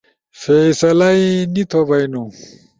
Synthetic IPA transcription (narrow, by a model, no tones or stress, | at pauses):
fesɐlɐinit̪ʰobɐjnu